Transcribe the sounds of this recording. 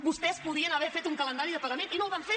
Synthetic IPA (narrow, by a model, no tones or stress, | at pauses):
bust̪ɛspuðiənəβɛɾfet̪uŋkələnd̪aɾiðəpəɣəmeninolˠβaɱfe